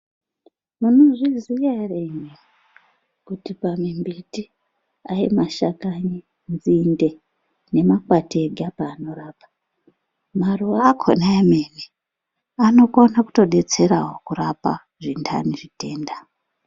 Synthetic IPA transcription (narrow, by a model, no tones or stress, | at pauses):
munoʐizijareɲe | kutipamimbiti | aimaʃakaɲi | nzinde̞ | ne̞makwateɡʱapaːno̞ɾaːpḁ | maruʋakʰo̰naemeni | ano̞konaku̥to̞ɗe̞t͡se̞ɾaɦokurapa̰ | ʐinda̰niʐite̞ːnda